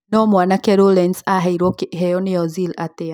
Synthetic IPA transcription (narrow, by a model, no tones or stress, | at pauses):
nɔmwanakɛɾɔlɛnsaɦɛiɾɔkɦɛjɔniɔzilat̪ɛa